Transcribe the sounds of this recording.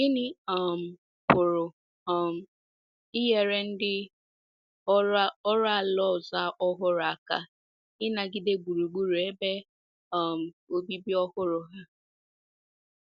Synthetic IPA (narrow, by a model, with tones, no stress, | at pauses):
ɪ˦nɪ˦ɔ˨m̩˨ | pʊ˨ɾʊ˨ | ɔ˦m̩˨ | ɪ˦ɦe˦ɾe˦n̩˦dɪ˦ | a˦ɔ˦ɾa˦˨a˨lɔ˦˨za˦ʔɔ˦ɦʊ˦ɾʊ˨a˨ka˨ | ɪ˦na˨ɡɪ˦de˦ɡ͡bu˨ɾu˨ɡ͡bu˦ɾe˦be˦ | ɔ˦m̩˨ | o˦bi˦bi˦ɔ˦hʊ˦ɾʊ˨ɦa˦